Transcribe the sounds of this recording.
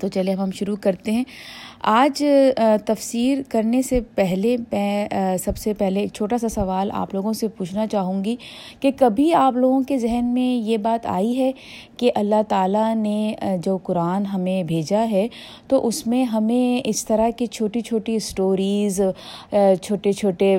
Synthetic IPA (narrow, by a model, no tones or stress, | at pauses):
t̪ot͡ʃɐlieɦɐmɦɐmʃʊɾukɐɾt̪eɦɛ̃ːaːd͡ʒt̪ɐfsiːɾkɐɾnesepɛɦlepɛsɐbsepɛɦlekt͡ʃʰoːʈasasɐʋaːla̰ːploːɡõsepuːt͡ʃʰnat͡ʃaːɦũːŋɡikekɐbʱiaːploːɡõkezɛɦnmẽjebaːt̪a̰ːiɦɛ | keʔɐlːaɦt̪aːlaned͡ʒɐbkʊɾaːnɦɐmẽbʱeːd͡ʒaɦɛ | t̪oʔʊsmẽɦɐmẽɪst̪ɐɾakit͡ʃʰoːʈit͡ʃʰoːʈisʈoːɾiːz | t͡ʃʰoːʈet͡ʃʰoːʈe